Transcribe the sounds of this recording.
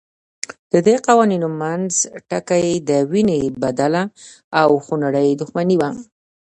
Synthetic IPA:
d̪̥əd̪eqawaninomanzʈakajd̪əwinebad̪ala | awxunaɽəjd̪ʊxmaniwa

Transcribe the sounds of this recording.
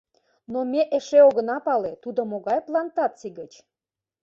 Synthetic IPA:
nomeʔeʃeoɣə̆nɑpɑlet̪ud̪omoɣɑjplɑnt̪ɑt̪t͡siɡət͡ɕ

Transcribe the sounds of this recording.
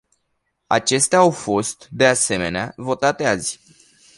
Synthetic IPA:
a̰t͡ʃe̞st̪eaawfo̞st̪d̪e̞ase̞me̞neavo̞t̪at̪eazʲ

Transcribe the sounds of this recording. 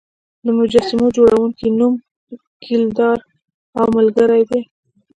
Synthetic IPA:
d̪əmʊd͡ʒɑsɪmod͡ʒoɽawuŋkinum | kild̪ɑɾ | awmalɡəɾajd̪e

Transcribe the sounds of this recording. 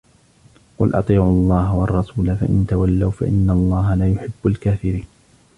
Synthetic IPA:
qʊlʔɑ̰t̪ˤiːʕʊlˤːɑːɦawɑrˤːɑsuːlafa̰ʔɪnt̪awalːawfa̰ʔɪnːalˤːɑːɦalaːjʊħɪbːʊlkaːfɪɾiːn

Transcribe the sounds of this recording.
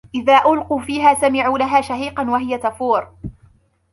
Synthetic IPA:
ʔɪðaːʔʊlquːfiːɦaːsamɪʕuːlaɦaːʃahiːqɑnwaɦɪjat̪afuːɾ

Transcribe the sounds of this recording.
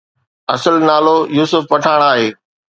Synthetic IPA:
ɐsəlnaːlojuːsʊfpɐʈʰaːɽ̃aːɦeː

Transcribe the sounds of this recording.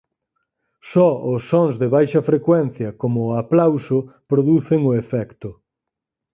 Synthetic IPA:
sɔʊsːɔŋzðeβajʃɐfɾekwɛn̟θjɐkomʊaplawsʊpɾoðuθeŋʊefɛkt̪ʊ

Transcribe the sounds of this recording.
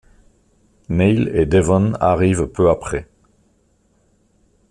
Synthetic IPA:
nɛjled̪evɔ̃na̰ʁiːvpʰøapχe

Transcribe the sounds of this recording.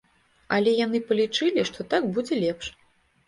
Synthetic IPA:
ɐlʲɛjanɨpɐlʲit͡ʂɨlʲiʂt̪ɔt̪aɡbud͡zʲɛlʲɛpʂ

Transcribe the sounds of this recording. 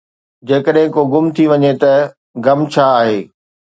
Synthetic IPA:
d͡ʑeːkəɗɦɪ̃koɡʊmt̪ʰiʋɐɲet̪ɐ | ɡɐmt͡ɕʰaːɦeː

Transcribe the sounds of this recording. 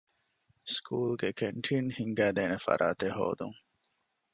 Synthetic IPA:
skʰuːlɡekʰeɳʈʰiːnhiŋɡæːd̪eːnefɐ̰ɾʔa̰ːt̪eɦo̰ːd̪uŋ

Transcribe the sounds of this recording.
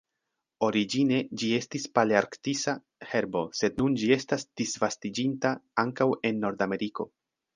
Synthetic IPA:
o̞ɾid͡ʒine̞d͡ʒie̞stispaleaɾktisa | he̞ɾbo̞se̞dnund͡ʒie̞stasd̥isvastid͡ʒintaaŋkawe̞nːo̞ɾdame̞ɾiko̞

